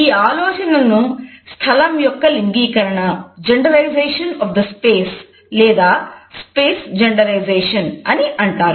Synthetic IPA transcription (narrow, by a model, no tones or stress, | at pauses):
iːaːlɔːt͡ʃɐnɐnust̪ʰɐlɐmjɔkːɐliŋɡiːkɐɾɐɳɐd͡ʒeɳɖɐlɐjzeːʂɐnɔːfd̪ɐspeːs | lɛːd̪aːspeːsd͡ʒɐɳɖɐlɐjd͡ʒeːʂɐnɐniʔɐɳʈaːɾu